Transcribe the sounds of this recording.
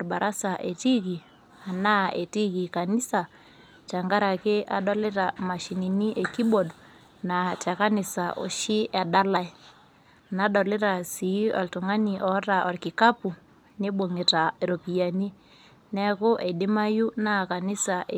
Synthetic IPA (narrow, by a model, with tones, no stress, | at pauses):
ɾba˨ɾʔa˦sa˨ʔe˨ti˦k̬i˨ | a˨na˦e˨ti˦ki˨ka˨ni˦sa˨ | t͡ʃa˨ŋɡa˦ɾa˨ke˦ʔa̰˨ɗɔ˦le˦ɾa˨ma˨ʃi˨ni˨ni˦ʔe˨ki˦ɓɔ˨d | na˨t͡ʃa˨ka˦ni˨sa˨ʔo̰˨ʃi˦ʔa˨ɗa˦la˦i˦ | na˨ɗɔ˨le˦ɾa˨si˨˦ɔ̰˨lto˨ŋa˦ni˨ʔɔ˨˦ɾa˨ʔɔ˨rki˨ka˦pu˨ | ne˦ɓo˨ŋe˨ta˨ɾo˨pi˨ja˨ni˦ | nɛ˦ko˦ʔe˨de˦ma˦ju˦na˦ka˨ni˦sa˨ʔe